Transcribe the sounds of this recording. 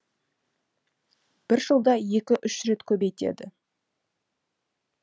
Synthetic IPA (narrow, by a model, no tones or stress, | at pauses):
b̥ɪɾʒəlˠd̪ɑje̞kʲɪʔʏʃɾe̞t̪kʲʰɵbe̞jt̪e̞̰d̪ɪ̰